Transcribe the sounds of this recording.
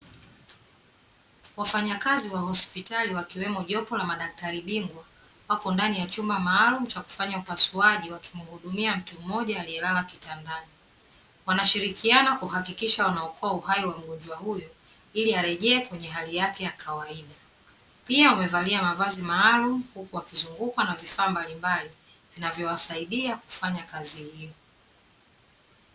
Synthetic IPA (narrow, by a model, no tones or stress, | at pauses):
wafaɲakaziwahɔspitaliwakiwɛmɔʄɔpɔlamaɗak̚taɾiɓiŋɡwa | wakɔndanijat͡ʃumbamaːlum̩t͡ʃaku̥faɲaupasuaʄiwaki̥muhuɗumiam̩tum̩mɔʄaːliɛlalakitandaɲi | wanaʃiɾikianakuhakikiʃawanaɔkʰɔauhaiwam̩ɠɔɲd͡ʒwahujɔ | iliaɾɛʄɛːkwɛɲɛɦalijakɛjakʰawaiɗa | piaumɛvaliamavazimaːlumuhukuwakizuŋɡukwanavifaːmbalimbali | vinavjɔwasaiɗiaku̥faɲakazihijɔ